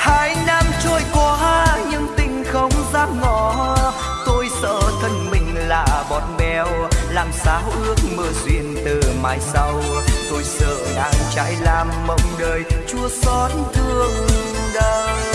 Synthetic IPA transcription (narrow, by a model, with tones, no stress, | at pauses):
haː˧˥˦jna˧mt͡ɕɔ˧˩jkwɔ˨˦a˧ɲɨ̰˧˥ŋt̪ï˧˩ŋ̟xə˧˦wŋ͡mzaː˦˥p̚ŋɔ˧˩ | t̪o˧jsə̰ː˧˨t̪ʰə˧nmï˨˩ŋ̟laː˨˩ɓɔ˨˩nɓɛ˧˩wlaː˨˩msaː˨˦wʔɨ˧˦˥ək̚mɨ˧˩zwḭ˧˨ənt̪ɨ˨˩maː˨˦jsa˧wt̪o˧jsə̰ː˧˨ɗa̰ː˧˥ŋt͡ɕa̰ː˧˥jlaː˧˩mːə̰˧˩wŋ͡mɗəː˨˩jt͡ɕu˧əsɔ˨˦˥t̚nt̪ʰɨ˧əŋɗə˧